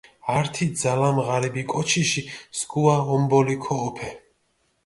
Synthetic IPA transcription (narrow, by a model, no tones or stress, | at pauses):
aɾt̪ʰid̪zalamʁaɾibikʼɔt͡ʃʰiʃisɡuaɔmbɔlikʰɔːpʰɛ